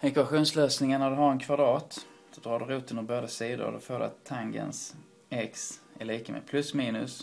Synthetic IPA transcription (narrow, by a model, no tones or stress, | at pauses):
ɛkvaɧuːnsløːsnɪŋənæd̪ɵɦaɾɛnkʰvad̪ɾɑːt̪ | d̪̥ɔd̪ɾɑːɖɵɾuːt̪ɵnd̪əɾboːd̪asiːd̪ʊ̰ɾd̪ɔfoːdɵ̰a̰t̪ʰːaŋɡə̰ns | ɛks | æɭiːkamʔḛd̪̚pʰlɵsmiːnɵs